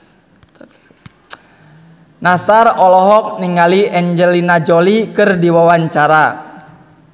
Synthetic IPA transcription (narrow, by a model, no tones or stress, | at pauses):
nasarɔlɔɦɔk̚niŋaliʔɛɲd͡ʒɛlinad͡ʒolikɨrdiwawaɲt͡ʃaɾa